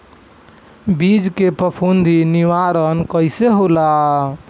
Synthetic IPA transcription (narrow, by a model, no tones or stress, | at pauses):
bid͡ʒkepəpʰund̪ʱiniʋaɾənkəjseɦola